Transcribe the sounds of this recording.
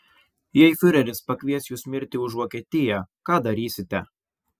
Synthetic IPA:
jɛɪfʲʊɾʲɛlʲɪspɐkʲʋʲiɛsʲjuːsmʲɪɾʲt̪ʲɪʊʒʋoːkʲiɛt̪ʲɪjɛkɑːd̪ɐɾʲiːsʲɪt̪ʲɛ

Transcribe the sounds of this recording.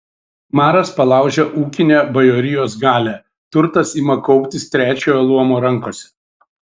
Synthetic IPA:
mɑːɾɐspɐlˠɑˑʊʒʲɛʔuːkʲɪnʲɛbɐjoːɾʲɪjoːsɡɑːlʲæ | t̪ʊɾt̪ɐsiːmɐkɔʊpʲt̪ʲɪst̪ʲɾʲæːt͡ʃʲoːjɛlˠuɔmoːɾɐŋˑkoːsʲɛ̥

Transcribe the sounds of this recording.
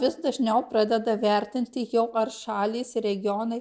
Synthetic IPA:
ʋʲɪsd̪ɐʒʲnʲɛʊpɾɑːd̪ʲɛd̪ɐʋʲɛɾʲt̪ʲɪnʲt̪ʲɪjɛʊʔɐrʃɑːlʲiːsɪɾʲɛɡʲɪoːnɐɪ

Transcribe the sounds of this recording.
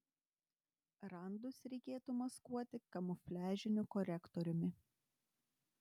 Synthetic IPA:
ɾɐˑnd̪ʊsɾʲɛɪkʲeːt̪umɐskuɔt̪ʲɪkɐmʊfʲlʲæːʒʲɪnʲʊkɔɾʲɛkt̪ɔɾʲʊmʲɪ

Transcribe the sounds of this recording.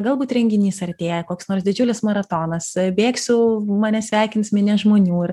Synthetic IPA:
ɡɐlˠbuːt̪ɾʲɛŋʲɡʲɪnʲiːsɐɾʲt̪ʲeːjɛkoːksnoːɾsd̪ʲɪd͡ʒʲʊlʲɪsmɐɾɐt̪oːnɐsbʲeːksʲʊmɑnʲɛsʲʋʲæːkʲɪnsmʲɪnʲɛʒmoːnʲuːɪr

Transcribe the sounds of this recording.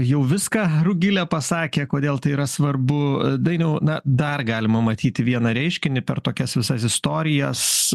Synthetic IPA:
jɛʊʋʲɪskɑːrʊɡʲɪlʲɛpɐsɑːkʲeːkoːd̪ʲeːlˠt̪ɐɪiːɾɐsʋɐrbʊd̪ɐɪnʲɛʊnɐd̪ɐrɡɑːlʲɪmɐmɐt̪ʲiːt̪ʲɪʋʲiɛnɐɾʲɛɪʃʲkʲɪnʲɪpʲɛrt̪oːkʲɛsʋʲɪsɐsɪst̪oːɾʲɪjɛs

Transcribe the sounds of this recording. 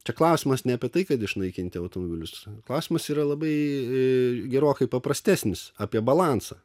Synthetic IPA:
t͡ʃʲɛklˠɐʊsʲɪmɐsnʲɛɐpʲiɛt̪ɐɪkɐt̪ɪʃnɐɪkʲɪnʲt̪ʲɪɐʊt̪omobʲɪlʲʊsklˠɐʊsʲɪmɐsiːɾɐlˠɐbɐɪ | ɡʲɛɾoːkɐɪpɐpɾɐsʲt̪ʲæːsʲnʲɪsɑːpʲiɛbɐlˠɑnsɐː

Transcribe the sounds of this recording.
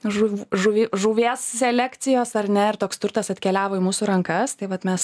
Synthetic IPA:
ʒuʒuʋʲiʒuːʋʲeːssʲɛlʲækt̪sʲɪjoːsɐɾnʲɛɪɾt̪oːkst̪ʊrt̪ɐsɐt̪ʲkʲɛlʲæːʋoːimuːsuːɾɐŋkɐst̪ɐɪʋɐt̪mʲɛs

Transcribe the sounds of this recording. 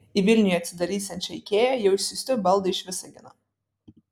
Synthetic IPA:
iʋʲɪlʲnʲʊjɐt̪sʲɪd̪ɐɾʲiːsʲɛnt̪ʲt͡ʃʲɪkʲeːjɛjɛʊɪʃʲsʲʊsʲt̪ʲʊbɐlˠd̪ɐɪʃʲʋʲɪsɐɡʲɪnɑ

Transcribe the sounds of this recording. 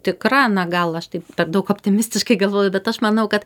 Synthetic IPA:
t̪ʲɪkɾɑːnɐɡɐlˠɐʃt̪ɐɪppʲɛrd̪ɐʊkoːpʲt̪ʲɪmʲɪsʲt̪ʲɪʃkɐɪɡɐlˠʋoːjʊbʲɛt̪ɐʃmɐnɐʊkɐt̪

